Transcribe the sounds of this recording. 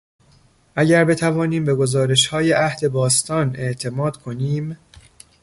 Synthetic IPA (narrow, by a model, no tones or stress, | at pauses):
ʔæɟæɾbe̞t̪ʰævɒːniːmbe̞ɡo̞zɒːɾe̞ʃhɒːje̞ʔæhd̪e̞bɒːst̪ɒːne̞ʔt̪ʰe̞mɒːd̪̥kʰo̞niːm